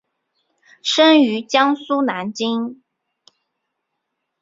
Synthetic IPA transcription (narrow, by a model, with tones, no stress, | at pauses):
ʂə˥ny˧˥t͡ɕjɑ˥ŋsu˥na˧˥nt͡ɕi˥ŋ